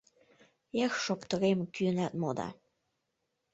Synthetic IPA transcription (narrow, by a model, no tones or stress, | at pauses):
exʃopt̪ɤ̆ɾemkynæt̪̚mod̪ɑ̰